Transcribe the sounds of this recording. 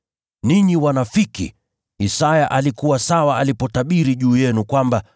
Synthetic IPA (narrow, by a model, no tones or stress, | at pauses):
niɲiwanafikḭ | isajaʔalikuwasawaːlipɔtaɓiɾiʄuːjɛnukwamba